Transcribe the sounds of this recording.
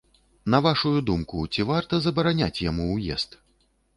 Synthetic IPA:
nɐvaʂujud̪umkut͡sʲivart̪ɐzɐbɐɾanʲat͡sʲjamuwjɛ̰st̪

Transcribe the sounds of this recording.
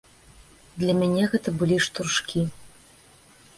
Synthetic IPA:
d̪lʲɐmʲanʲɛɣɛt̪ɐbɨlʲiʂt̪urʂkʲi

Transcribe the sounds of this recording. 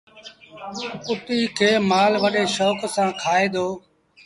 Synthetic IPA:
ʊt̪iːkʰeːmaːlʋəɗeːʃoːksãːkʰaːeːd̪oː

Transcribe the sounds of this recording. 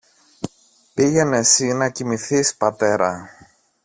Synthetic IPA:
piʝe̞ne̞sinɐcimiθispɐt̪e̞ɾɐ

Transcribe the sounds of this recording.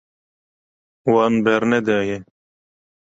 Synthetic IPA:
waːnbʱeɾned̪eje

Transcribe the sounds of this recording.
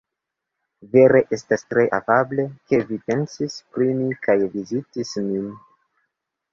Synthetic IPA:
ve̞ɾe̞ʔe̞stastɾe̞ʔafable̞ke̞vipe̞nsispɾimikajvizitismin

